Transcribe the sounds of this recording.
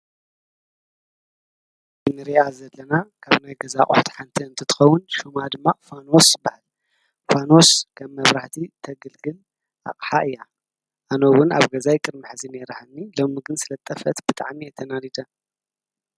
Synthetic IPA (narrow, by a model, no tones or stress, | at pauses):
bɨmɨɾiazɐlːɐnakʰaβnajɡɐzaχʼʊ̰ħt̪ħant̪ʰiɨnt̪ʰɨt̪ʰɨ̥xɐwːʊnʃumad̪ɨmːafano̞sbahal | fanoskʰɐmːɐβɾaħt̪ʰit̪ʰɐɡɨlɡɨl | ʔa̰χʼħaʔɨjːa | ʔanowʊna̰βɡɐzajkʼɨɾmɨħzineɾahanːilomiɡɨnsɨlɐt̪ʼːɐfɐt̪bɨt̪ʼa̰ʕmiɐt̪ʰɐnalid̪ɐ